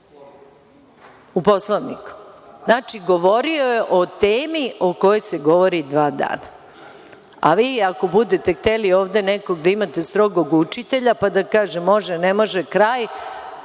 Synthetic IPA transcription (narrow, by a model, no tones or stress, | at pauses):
upo̞slˠaʋniku̥znaːt͡ʃiɡo̞ʋo̞ɾio̞jeʔo̞t̪eːmio̞ko̞jojse̞ɡo̞ʋo̞ɾid̪ʋaːd̪a̰ːna | a̰ʋiːako̞bud̪et̪ext̪elio̞ːʋd̪e̞neko̞ɡd̪aimat̪e̞st̪ɾo̞ɡoɡut͡ʃit̪e̞ʎapad̪akaːʒemːo̞ʒenemo̞ʒekɾaːj